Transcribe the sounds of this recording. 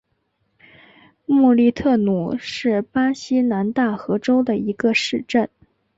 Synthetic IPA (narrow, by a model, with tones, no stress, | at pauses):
mu˥˧li˥˧t̪ʰɤ˥˩nu˨˩ʂɻ̩˥˩pa˥ɕi˥na˧˥nt̪a˥˩xɤ˧˥ʈ͡ʂo˥ʊd̪ə˨i˧˥ɡə˧ʂɻ̩˥˧ʈ͡ʂə˥˩n